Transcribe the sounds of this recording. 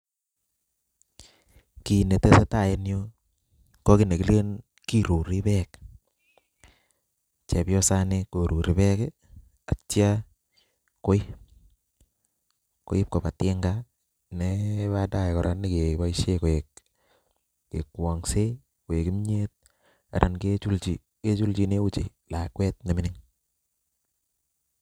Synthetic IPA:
ki˨ne˨te˦se˦ta˦˨je˦njo˦ | ko˦ki˦ne˨ki˦le˦n | ki˦ɾu˨ɾi˦pɛ˦k | t͡ʃe˨pjɔ˦sa˦ne˦ko˨ɾu˨ɾi˨pɛ˦ke | a˨t͡ʃja˦ | ko˦i˦ | ko̰˦i˦p̚ko˨pa˨tɪ˦ŋɡa˦ | ne˦βa˦da˦˨kɔ˨ɾʔa˦ni˦ke˨ba˦iʃe˦ko˨e˨k | ḛ˨kwɔ˨ŋse˦ | ko˨e˨ki˦mɲe˦t̚ | a̰˨ɾʔa̰˨nket͡ʃu˦lt͡ʃi˦ | ke˦t͡ʃu˦lt͡ʃi˦ne˦u˦t͡ʃḛ˨ | la˨kwɛ˦t̚ne˨mɪ˦nɪ˦ŋ

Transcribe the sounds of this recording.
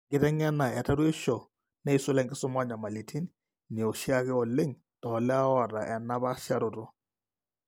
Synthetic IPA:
ŋɡɪ˦tɛ˦ŋɛ˦na˨ɛ˨ta˦ɾwe˦ʃɔ˨ | nɛ˦i˦sʊ˦lɛ˦ŋɡɪ˦sʊ˦mwa˦ɲa˨ma˨li˨tʰi˦n | ni˨o˨ʃi˦a˦kɪ˦ɔ˨le˦ŋ | tɔ˨lɛ˦a˦ɔ˦˨ɾa˨ʔɛ˨na˦ba˦ʃa˦˨ɾʊ˨tɔ˦

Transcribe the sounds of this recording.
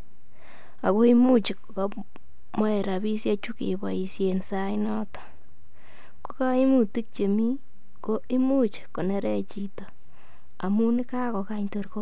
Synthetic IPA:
a˨ko˦i˦mu˦t͡ʃi˨kko˦ | mɔ˦ɛ˨ɾa˨bi˦sja˦t͡ʃu˦kḛ˨bɔ˨i˨sje˨nsa˦jnɔ˦tɔ̥˨ | ko˦ka˦i˦mu˨ti˦k̚t͡ʃe˨mi˦ | ko˦i˦mu˦t͡ʃko˨ne˨ɾɛ˦t͡ʃi˨to˨ | a˨mu˦nɪ˦ka˦ko˨ka˦ɲto˨ɾko˦

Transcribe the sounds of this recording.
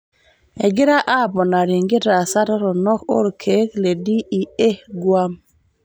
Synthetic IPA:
ɛ˨ɡɪ˦ɾa˦ʔa˦˨bɔ˨na˨ɾɪ˨ŋɡɪ˦ɾa˨sa˦ɾa˦ɾɔ˨nɔ˦ko̰˦ɾkʰe˨˦kle˨di˦i˨e˦hɡwa˦m

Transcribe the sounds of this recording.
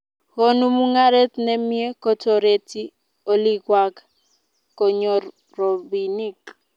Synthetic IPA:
ɣo˦nu˦mu˦ŋa˦ɾe˦tnɛ˦mje˦kɔ˦to˨ɾe˨ti˦ | o˦li˦ɡwa˨k | ko˨ɲɔ˨ | ro˨bi˨ni˦˨k

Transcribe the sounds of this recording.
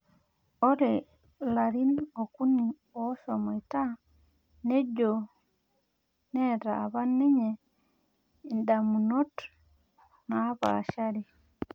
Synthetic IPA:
o˦ɾe˨ | la˨ɾi˦no˨ku˦ni˨ | o˨˦so˨mɔ˨i˨ta˦ | ne˦d͡ʒo˨ | nɛ˦˨ɾaː˨βa˦ne˦ɲe˨ | nda˨mu˨no˦t | na˨˦βa̰˨ʃa˦ɾi˨

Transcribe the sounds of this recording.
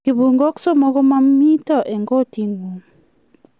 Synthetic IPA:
i˨bu˨ŋɡɔ˦ksɔ˦mɔ˨˦kɔ˦ma˦mi˦tɔ˨ʔe˨ŋɡɔ˦˨ti˦ŋɡu˨

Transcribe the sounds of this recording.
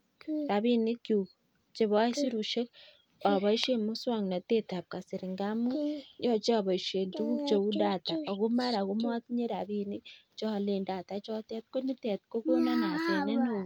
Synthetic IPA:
ɾa˨βi˦ne˦ku˨ɣu | t͡ʃe˨βa˦si˦ɾu˨ʃe˦ | a˨βa˦i˦ʃe˦mu˦swa˦˨ŋ˨na˨te˦ta˨βka˨si˨ɾi˨ŋɡa˦mu˦o˦t͡ʃi˦a˦˨βa˨i˨ʃe˨ntu˦βu˦t͡ʃo˨ɣu˦da˦˨ta˨o˨ɣu˦ma˦ɾa˨ɣu˦m˦a˦ki˦ɲe˦ɾa˨βi˦ni˦t͡ʃo˦˨le˨nda˨ta˨t͡ʃo˦te˨ti̥ko˦ni˦te˨ti̥ko˦ko˦na˦na˨se˨ne˦no

